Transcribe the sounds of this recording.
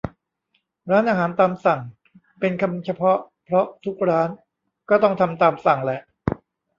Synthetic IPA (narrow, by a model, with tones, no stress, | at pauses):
ɾaː˦˥nʔaː˧ɦaː˩˦nt̪aː˧msa˨˩ŋ | pe˧nkʰa˧mt͡ɕʰa˧pʰɔ˦˥ | pʰɾɔ˦˥t̪ʰu˦˥k̚ɾaː˦˥n | kɔː˥˩t̪ɔ˥˩ŋt̪ʰa˧mt̪aː˧msa˨˩ŋlɛ˨˩ʔ